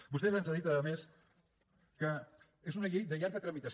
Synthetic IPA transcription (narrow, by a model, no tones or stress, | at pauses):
bust̪ɛzənzaðit̪əðəmes | kə | ezunəʎejðəʎaɾɣət̪ɾəmit̪əs